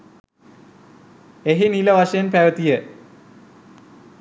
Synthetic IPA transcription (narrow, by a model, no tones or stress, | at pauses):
eɦiniləʋaʂɐjenpæʋət̪ijə